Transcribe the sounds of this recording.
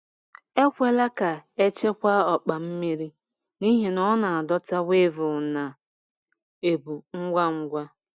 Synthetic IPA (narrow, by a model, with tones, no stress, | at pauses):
e˦kʷe˦la˦ka˨e˦t͡ʃe˦kʷa˦ɔ˨k͡pa˨m̩˦mi˦ɾi˦ | ni˦ɦi˨nɔ˦na˨a˨dɔ˦ta˦we˦vʊ˨na˨ | e˨bu˨ŋ̩˦ɡʷa˦ŋ̩˦ɡʷa˦